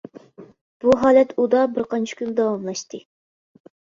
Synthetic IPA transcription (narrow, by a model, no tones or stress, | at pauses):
b̥uɦɑːlɛt̪ud̪ɑbɪɾqʰɑnt͡ʃʰi̥kʲynd̪ɑwɑmlˠɑʃt̪ɨ